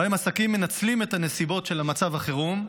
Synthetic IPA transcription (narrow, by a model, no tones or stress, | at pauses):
hemasakimːe̞nat͡slime̞tane̞sibo̞tʃe̞lamat͡savaχeʁum